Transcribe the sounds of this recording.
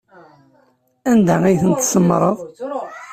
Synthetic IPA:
ænd̪æijθənt̪səmːɾˤəðˤ

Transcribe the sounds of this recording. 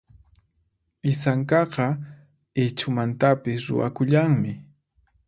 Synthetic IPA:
ɪsaŋkɑqɑ | et͡ʃʊmant̪apɪsɾʊ̰wa̰kʊʎaŋmɪ

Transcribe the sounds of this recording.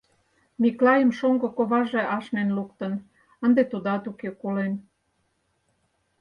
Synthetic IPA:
miklɑjəmʃoŋɡokoβɑʒeʔɑʃnenlukt̪ə̆n | ənd̪et̪ud̪ɑt̪ukekulen

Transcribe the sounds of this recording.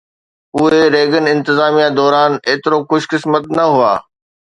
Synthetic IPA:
ʊɦeɾeːɡənɪ̃nt̪ɪzaːmijad̪ɔːɾaːneːt̪ɪɾokʊʃkɪsmət̪nɐɦua̰ː

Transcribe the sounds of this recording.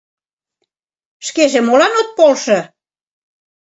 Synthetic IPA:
ʃkeʒemolɑnot̪̚polʃɤ̆

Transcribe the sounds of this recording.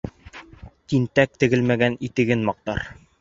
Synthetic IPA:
t̪int̪æk̚t̪ɘ̆ɡɘlmæɡænit̪ɘ̆ɡɘnmɒq̚t̪ɑ̰ɾ

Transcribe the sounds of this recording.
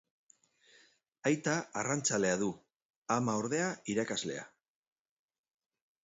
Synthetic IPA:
ajt̪aarant͡sale̞aðu | amao̞ɾð̞e̞aiɾakazle̞̰a̰

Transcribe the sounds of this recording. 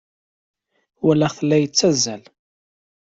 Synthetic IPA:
wælːæχθəlːæjət͡sːæzːæl

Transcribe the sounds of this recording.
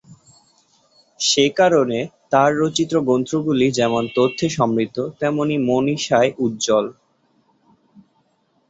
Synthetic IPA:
ʃekaɾonet̪aɾːot͡ɕit̪ːɾoɡont̪ɾoɡulid͡ʑɛmont̪ot̪ʰːeʃɔmɾit̪ːot̪ɛmonimoniʃaeʔut̪̚d͡ʑɔl

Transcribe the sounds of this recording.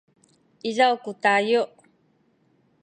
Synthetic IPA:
izawkut̪ajoʔ

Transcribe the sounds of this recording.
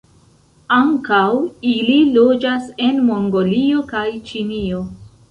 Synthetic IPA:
aŋkawililo̞d͡ʒase̞nmo̞ŋɡo̞lio̞kajt͡ʃinio̞

